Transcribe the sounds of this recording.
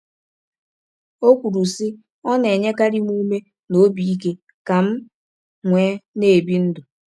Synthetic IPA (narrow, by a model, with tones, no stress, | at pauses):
o˦kʷu˨ɾu˨si˦ | ɔ˦ne˨ɲe˦ka˦ɾi˦m˦u˦me˦ | no˦bi˨i˦ke˦ | ka˨m̩˦ | ŋʷe˨˦ne˨bi˦n̩˦dʊ˨